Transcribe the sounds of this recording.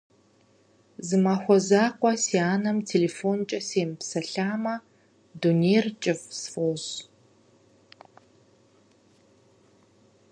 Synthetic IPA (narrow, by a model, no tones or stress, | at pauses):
zɨmaːxʷɔzaːqʷʼɔsiaːnɐmtʰeːleːfoːnt͡ʃʼɐseːmpsɐɬaːmɐ | duneːrt͡ʃʼɪvsfoːz